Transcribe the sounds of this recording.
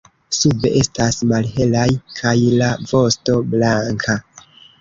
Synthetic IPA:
sube̞ʔe̞stasmalɦe̞lajkʰajlavo̞sto̞blaŋkʰa

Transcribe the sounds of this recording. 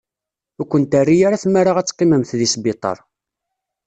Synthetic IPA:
ækʷːənt̪ærːijaɾaθmːaɾaʁæt͡sːqːiməmθðisbit̪ˤɑ̰ɾˤ

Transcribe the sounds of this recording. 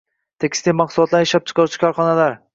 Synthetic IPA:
t̪ʰekʲʰɪ̥st̪ejmɑqsʊlˠɒt̪laɾjeʃap̚t͡ʃʰɪ̥qʰɑɾt͡ʃʰɪ̥kʰɒɾχɒnalaɾ

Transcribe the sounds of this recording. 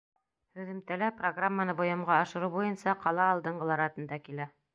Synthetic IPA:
ɾɵ̆ðɘ̆mt̪ælæproɡramːanɤbŏjɑmʁɑːʃɤ̆ɾubujɤnsɑqɑlˠɑːlˠd̪ɤ̆ɴɢɤlˠɑɾɑt̪ɤ̆nd̪ɑkilæ

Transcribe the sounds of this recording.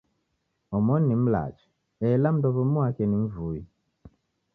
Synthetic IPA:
ɔmɔnːim̩la̰t͡ʃi̥ | ɛlam̩dɔβɔmwakɛniɱ̩vui

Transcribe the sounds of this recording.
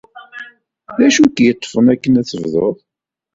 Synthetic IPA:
ðæʃukjət̪ˤːfənækːənæθəvðoðˤ

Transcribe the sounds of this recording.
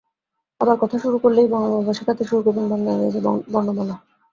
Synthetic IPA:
abaɾkɔt̪ʰaʃuɾukoɾlejbɔŋobabaʃeɾkat̪ʰeʃuɾukoɾbinbʱɔnːaɾeed͡ʑʰebɔɾnobɔla

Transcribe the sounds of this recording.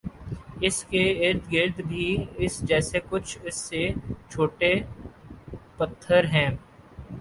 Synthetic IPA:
ɪskeɪɾd̪ɡɪɾd̪bʱiɪsd͡ʒɛːsekʊt͡ʃʰɪsːet͡ʃʰoːʈe | pɐt̪ʰːəɾɦɛ̃ː

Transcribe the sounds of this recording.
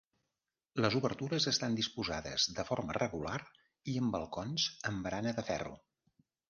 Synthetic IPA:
ləzuβəɾt̪uɾəzəst̪and̪ispuzaðə̰zðəfɔɾmə̰rəɣular | iəmbəlˠkɔnzəmbɾanəðəfɛ̰rṵ

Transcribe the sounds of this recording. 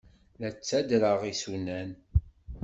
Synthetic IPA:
læt͡sːæd̪ɾəʁisunæn

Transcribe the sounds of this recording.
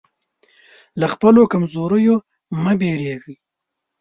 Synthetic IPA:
laxpəlokamzoɾəjo | məbeɾeɣi

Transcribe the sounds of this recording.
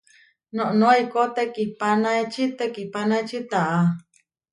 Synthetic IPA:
nõʔnõaikot̪ekipanaet͡ʃʰit̪ekipanajt͡ʃit̪aʔa

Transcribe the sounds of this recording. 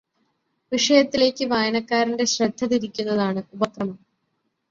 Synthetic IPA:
ʋiʂɐjɐt̪ːile̞ːkʲːɨʋaːjɐɳɐkːaːɾinde̞ɕrɐd̪ʱːɐðiɾikʲːunːɐðaːɳɨubɐkrɐmɐm

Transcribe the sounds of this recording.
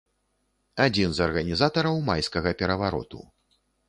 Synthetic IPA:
ad͡zʲinzɐrɣɐnʲizat̪ɐɾɐwmajskɐɣɐpʲɛɾɐvaɾɔ̰t̪ṵ

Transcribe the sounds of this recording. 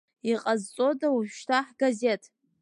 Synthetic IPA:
iqʼazt͡sʼo̞dawuʒʷʃtʰaħɡ̥aze̞tʰ

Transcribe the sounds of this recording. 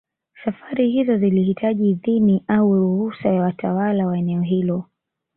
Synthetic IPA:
safaɾihizɔzilihitʰaʄiðiniʔauɾuhusajawatʰawalawaɛnɛɔɦilɔ

